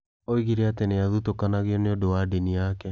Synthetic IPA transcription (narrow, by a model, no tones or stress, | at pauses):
oiɣiɾeateneaðutokanaɣeɔneodowadeniakɛ